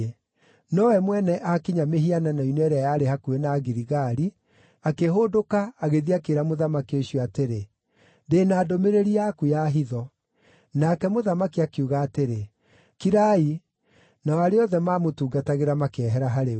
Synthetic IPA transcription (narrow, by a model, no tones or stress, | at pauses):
e | nɔwɛmwɛnɛʔakiɲameɦiananainɛɾɛjaːɾehakuenaɣiɾiɣaɾi | akeɦodokaːɣeðiakeɾamoðamakioɕijɔateɾe | ndeːnaːdomeɾeɾiakujaɦiðɔ | nakɛmoðamakiakeuɣaːteɾe | kiɾai | naaɾeɔðɛmaːmotuːɡataɣeɾamakeɛɦɛɾaɦaɾe